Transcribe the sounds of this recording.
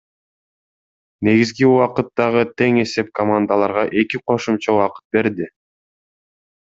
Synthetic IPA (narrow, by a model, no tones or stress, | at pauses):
ne̞ɡizɡiuwɑqɯt̪ːɑʁɯt̪ʰe̞ŋe̞se̞p̚kʰomand̪əlˠɑɾʁɑʔe̞kiqʰo̞ʃumt͡ʃɑuɑqɯ̥t̪̚be̞ɾd̪i